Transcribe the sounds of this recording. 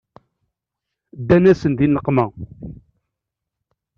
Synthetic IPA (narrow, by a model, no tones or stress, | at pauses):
d̪ːænæsənd̪inəqːmæ